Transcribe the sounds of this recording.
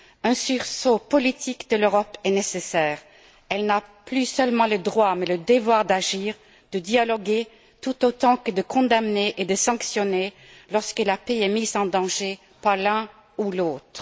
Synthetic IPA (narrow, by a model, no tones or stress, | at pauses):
ɛ̃syʁsopɔlit̪ʰikd̪əløʁɔpɛnesesɛːʁ | ɛlnaplysœlmɑ̃ləd̪ʁwamɛləd̪əvwaʁd̪aʒiːʁ | d̪̥əd̪jalɔɡe | t̪ut̪ot̪ɑ̃kəd̪əkɔ̃d̪amneʔed̪əsɑ̃ksjɔne | lɔʁskəlapeɛmizɑ̃d̪ɑ̃ʒe | paʁlɛ̃ | uloːt̪χ